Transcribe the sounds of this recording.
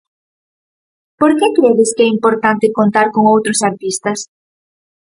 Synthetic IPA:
poɾkɛkɾeðeskɛimpoɾt̪ant̪ɪkont̪aɾkoŋowt̪ɾʊsaɾt̪ist̪ɐs

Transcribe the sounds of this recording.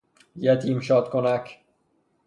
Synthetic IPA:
jæt̪ʰimʃɒːt̪kʰonækʰ

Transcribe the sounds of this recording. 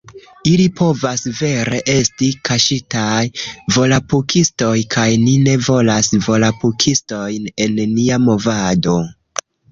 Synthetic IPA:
ilipʰo̞vasve̞ɾe̞ʔe̞stikʰaʃitajvo̞lapukisto̞jkʰajnine̞vo̞lasvo̞lapukʰisto̞jne̞nːiamo̞vado̞

